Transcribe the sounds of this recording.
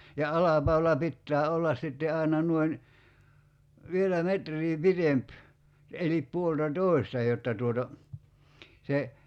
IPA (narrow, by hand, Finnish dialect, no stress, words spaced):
jɑ ɑlɑpɑulɑ pitːæː olːɑs sitːe ɑi̞nɑ nuoin ʋielæ metrˑiː pitemp elip puoltɑtoˑi̞stɑ jotːɑ tuotɑ se